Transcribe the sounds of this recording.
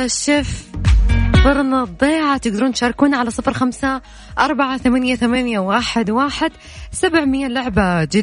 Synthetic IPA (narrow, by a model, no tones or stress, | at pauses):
aʃɪf | bˤɨɾˤnɑd̪ˤːeːʕat̪ɪɡd̪ɑɾuːnt̪ʃɑːɾˤɑkuːnaʕalasˤɨfɾxamsa | ʔɑɾˤbaʕaθamanjaθamanjawaːħɪd̪waːħɪd̪ | sabʕmɪjːalʊʕbad͡ʒɪ